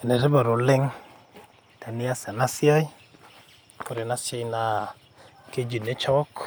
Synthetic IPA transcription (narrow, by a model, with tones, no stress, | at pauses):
nɛ˨ɾɪ˦ba˨ɾo˨lɪ˦ŋ | ta˨nɪ˦a˦sa˨na˦sjɔ˦j | kʊ˦ɾe˨na˦sɔ˦jna˦ | ke˦d͡ʒi˨ne˦t͡ʃɔ˦ɔ˦k